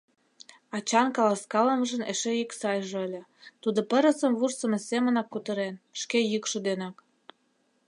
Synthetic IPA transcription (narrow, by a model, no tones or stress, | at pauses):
ɑt͡ɕɑnkɑlɑskɑlə̆məʒə̆nḛʃejiksɑjʒeəlʲĕt̪ud̪opə̆ɾə̆sə̆mβursə̆mesemə̆nɑkːut̪ə̆ɾenʃkejykʃŏd̪enɑk